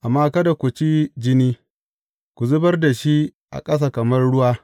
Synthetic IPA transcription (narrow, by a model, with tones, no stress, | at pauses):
ʔa˨mːaː˦kɐ˦da˨kʷu˨t͡ʃi˦d͡ʒɪ˦niː˦ | kʷu˨zʊ˦bɐ˦rda˨ʃi˦ | ʔa̰˨kʼɐ˦s̬aː˨kɐ˨mɐ˦rɽʊ˦waː˦